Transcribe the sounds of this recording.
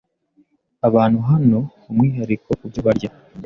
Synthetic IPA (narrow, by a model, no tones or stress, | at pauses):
aβaːn̥huɦano̞ | umŋiːɦaɾiko̞kubɟoβaɾɟa